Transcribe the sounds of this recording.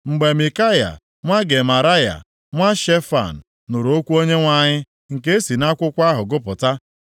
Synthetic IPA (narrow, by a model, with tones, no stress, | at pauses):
ŋ͡m̩˨ɡ͡be˨mi˨ka˦ja̰˨ | ŋʷa˦ɡe˨ma˨ɾa˦ja̰˨ | ŋʷa˦ʃe˦fa̰˨n̩ː˨ʊ˨ɾo˦kʷu˦o˦ɲe˦ŋʷa˨ɲɪ˦ | ŋ̩˨ke˦e˦si˨na˦kʷʊ˦kʷa˦ɦʊ˨ɡʊ˦pʊ˨ta˦